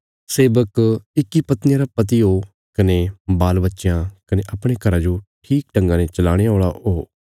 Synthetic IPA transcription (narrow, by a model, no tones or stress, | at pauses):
seːbəkɪkːipɐt̪nɪjãɾapɐt̪̬iɦoː | kɐnebaːlbətːʃjãkɐneʔɐpɽ̃ekʰɐɾãd͡ʒoʈʰiːk̚ʈə̃ŋɡãːnet͡ʃɐlaːɽ̃eɦoːɭaɦoː